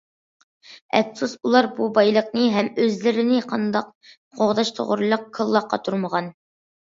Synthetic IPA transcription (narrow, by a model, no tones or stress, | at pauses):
ɛ̰fsusulˠɑɾbubɑjlˠəqnɨɦɛmøzlɪɾɪnɪqʰɑnd̪ɑq̚ | qʰoʁd̪ɑʃt̪ʰo̰ʁʊɾlˠəq̚kʰːəlˠːɑqːɑ̰t̪ʰuɾməʁɑn